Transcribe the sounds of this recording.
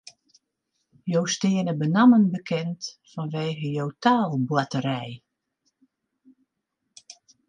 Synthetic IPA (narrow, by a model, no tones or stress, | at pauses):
jowstɪənəbənamənbəkʰɛntfɔnʋeːɣəjowtaːlˠbwatəɾɛj